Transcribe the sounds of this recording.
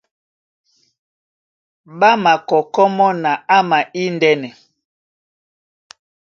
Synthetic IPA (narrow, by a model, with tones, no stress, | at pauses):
ɓa˦ma˨kɔ˨kɔ˦mɔ˦na˨a˦ma˨ʔi˦ndɛ˦nɛ˨